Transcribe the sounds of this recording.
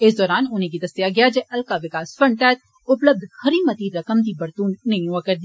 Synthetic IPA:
ɪsd̪ɔːɾaːnʊnẽk̬id̪ɐst̪ijaɡɐjad͡ʒɛʔɐlkaʋɪkaːsfɐ̃ɳɖʈ̪ɛːt̪̚ | ʊpləb̚d̪ʱxɐɾiːmɐt̪iɾɐkəmd̪ibɐɾt̪uːnːɐɦĩɦoakɐɾd̪iː

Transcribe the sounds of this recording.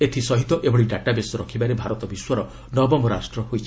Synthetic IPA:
et̪ʰisɔɦit̪ɔʔebɔɽiɖaʈabesɔɾɔkʰibaɾebʱaɾɔt̪ɔbiswɔɾɔ | nɔbɔmɔɾa̰sʈɾɔɦojt͡ʃʰi̥

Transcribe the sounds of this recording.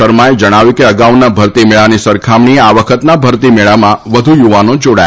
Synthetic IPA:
əɾmaed͡ʒəɽ̃aʋjukeəɡaʋnabʱəɾt̪imeɭanisəɾkʰamɳieaʋəkʰət̪nabʱəɾt̪imeɭamãʋəd̪ʱujuʋanod͡ʒoɽaj

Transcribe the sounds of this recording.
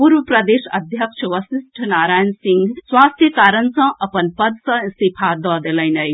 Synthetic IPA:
puɾʋəpɾəd̪esəd̪ʱjəkʃʰəʋəsisʈʰənaɾaːjənsĩŋɡswast̪ʰjəkaɾənsə̃ʔəpənpəd̪sə̃sipʰad̪ɔd̪eləɪnəj

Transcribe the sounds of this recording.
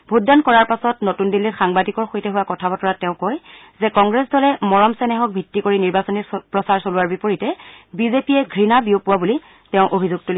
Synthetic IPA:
bʱudankɔɹaɹpasɔtnotundilːitxaŋbadikɔɹxojtɛɦuwakɔtʰabɔtɔɹatɛ̃ʊ̃koj | zɛkɔŋɡɹɛsdʱɔlɛmɔɹɔmsɛnɛxɔk̚bʱitːikoɹiniɹbasɔnipɹɔsaɹsolʊwaɹbipoɹitɛbizepijɛɡʱɹinabijopʊwabuli | tɛʊ̃ʔobʱizuɡ̚tuli

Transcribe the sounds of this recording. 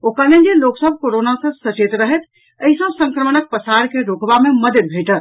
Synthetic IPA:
okəned͡ʒeloksəbʱkoɾonasə̃sət͡ʃet̪ɾəɦɛt̪ʰ | əɦisə̃sə̃ŋkɾəmənək̚pəsaɾkeɾokbameməd̪jəd̪̚bʱeʈət̪

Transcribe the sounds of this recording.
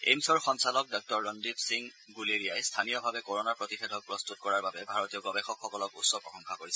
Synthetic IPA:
ḛmsɔɹxɔnsalɔk̚dɔk̚tɔɹːɔndipsiŋ | ɡuleɹijajstʰanijɔbʱabɛkɔɹɔnaɹpɹɔtixedʱɔk̚pɹɔstut̚kɔɹaɹbabɛbʱaɹɔtijɔɡɔbɛxɔkxɔkɔlɔkutsɔpɹɔxɔ̃ŋxakoɹisɛ

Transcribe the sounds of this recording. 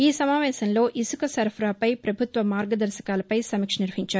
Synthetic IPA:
iːsɐmaːʋɛːsɐnlo̞ːʔʔisukɐsɐɾfʰɾaːpɐjpɾɐbʱut̪ʋɐmaːɾɡɐd̪ɐɾʃɐ̥kaːlɐpɐjsɐmikʂɐniɾʋɐɦiɲt͡ʃaːɾu

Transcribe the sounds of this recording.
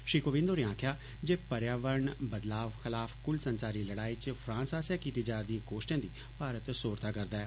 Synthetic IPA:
ʃɾiːkoːʋɪ̃nd̪oːnẽãːkʰjaː | d͡ʒeːpəɾjaːʋəɾɳbəd̪laːʋxɪlaːfkʊlsənsaːɾiːləɽaːiːt͡ʃpʰɾãːnsaːsjaːkiːt̪iːd͡ʒaːɾd̪ĩãːkoːʃʈjãːd̪iː | paːɾət̪soːɾt̪aːkəɾd̪aːɛː

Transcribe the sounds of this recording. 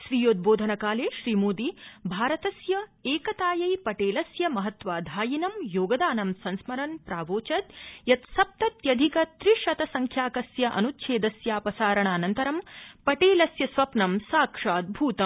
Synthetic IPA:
ʃɾijoːd̪̚boːd̪ʱɐnɐkaːleːʃɾiːmoːd̪ibʱaːɾɐt̪ɐsjɐeːkɐt̪aːjɐjpɐʈeːlɐsjɐmɐɦɐt̪ʋaːd̪ʱaːjinɐmjoːɡɐd̪aːnɐmsɐnsmɐɾɐnpɾaːʋoːt͡ʃɐt̪jɐt̪sɐp̚t̪ɐt̪jɐd̪ʱikɐt̪ɾiʂɐt̪ɐsɐŋkʰjaːkɐsjɐʔɐ̰nut̪ʃʰeːd̪ɐsjaːpɐsaːɾɐɳaːnɐnt̪ɐɾɐmpɐʈeːlɐsjɐsʋɐpnɐmsaːkʂaːd̪̚bʱuːt̪ɐm

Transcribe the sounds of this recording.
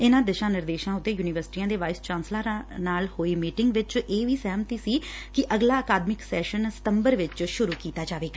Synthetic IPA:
ɪnãːd̪ɪʃãːnɪɾd̪eːʃãːʊt̪ːeːjuːnɪʋəɾsʈiːãːd̪eːʋaːɪst͡ʃãːnslaːnaːlhoːiːmiːʈɪŋɡʋɪt͡ʃʔeːʋiːsɛːmt̪iːsiː | kɪʔəɡlaːəkaːd̪mɪksɛːʃənsɪ̥t̪əmbəɾʋɪt͡ʃʃʊɾuːkiːt̪aːd͡ʒaːʋeːɡaː

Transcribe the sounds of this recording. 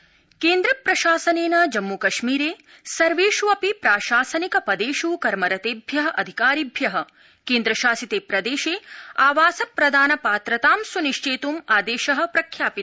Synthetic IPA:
keːnd̪ɾɐpɾɐʃaːsɐneːnɐd͡ʒɐmːukɐʃmiːɾeː | sɐɾʋeːʃuɐpipɾaːʃaːsɐnikɐpɐd̪eːʃuːkɐɾmɐɾɐt̪eːbʱjɐɦɐʔɐd̪ʱikaːɾibʱjɐɦɐ̆ | keːnd̪ɾɐʃaːsit̪eːpɾɐd̪eːʃeːaːʋaːsɐpɾɐd̪ʱaːnɐpaːt̪ɾɐt̪aːmsuniʃt͡ʃeːt̪umaːd̪eːʃɐɦɐ̆pɾɐkʰjaːpit̪

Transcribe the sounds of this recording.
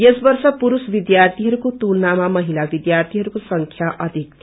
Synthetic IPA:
jesbʌrsʌpuɾusbid̪jart̪ʰiɦʌɾukot̪ulnamamʌɦilabid̪jart̪ʰiɦʌɾukosʌŋkʰjaʔʌd̪ʱik̪̚

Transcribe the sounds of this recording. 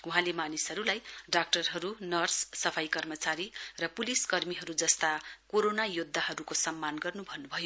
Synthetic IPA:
uɦãlemanisʌɾulajɖak̚ʈʌrɦʌɾunʌrsːʌpʰajkʌrmʌt͡saɾirʌpuliskʌrmiɦʌɾud͡zʌst̪akoɾonajod̪ʱːaɦʌɾukosʌmːanɡʌrnubʱʌnːubʱʌjo

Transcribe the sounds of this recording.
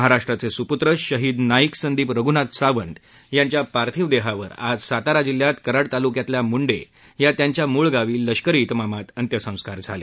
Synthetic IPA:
ɦaɾaʂʈɾat͡sesuput̪ɾəɕəɦiːd̪naiksənd̪iːpɾəɡunat̪saʋənd̪ | jaɲt͡ɕjapaɾt̪ʰiʋd̪eɦaʋə̰ɾa̰d͡zsat̪aɾad͡ʑiljat̪kəɾaɽt̪alukjat̪ljamuɳɖe | jat̪jaɲt͡ɕjamuɭɡaʋiːlːəɕkəɾiːt̪mamat̪ənt̪jəsə̃w̃skaɾd͡zʱalḛ

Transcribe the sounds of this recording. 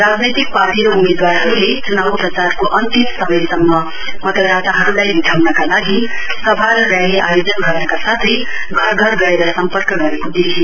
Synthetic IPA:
rad͡znʌjt̪ik̚paʈiɾoumed̪warɦʌɾulet͡sunawprʌt͡sarkoʔʌnt̪imsʌbʌjsʌmːʌ | mʌt̪ʌɡɾat̪aɦʌɾulajbiʈʰawnʌkalaɡi | sʌbʱalːaɦeʔa̰jod͡zʌnɡʱʌrnʌkasat̪ʰʌj | ɡʱʌrɡʱʌɾɡʌeɾʌsʌmpʌrkʌɡʌɾekod̪it͡sʰi

